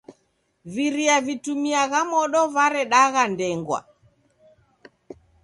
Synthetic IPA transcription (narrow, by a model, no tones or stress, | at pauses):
viɾiavitumiaɣamɔɗɔvaɾɛɗaɣandɛŋɡwa̰